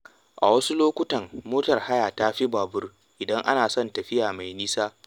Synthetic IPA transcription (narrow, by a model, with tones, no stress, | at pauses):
ʔa̰˨wɐ˦su˦loː˦kʷʊ˦tɐ˨mmoː˦tɐ˨rha˦jaː˨ta˦ɸi˦baː˨bʊ˦r | ʔɪ˨dɐ˦ŋʔa̰˦naː˨sɔ˦˨ntɐ˨ɸɪ˦jaː˨ma˨jniː˦saː˦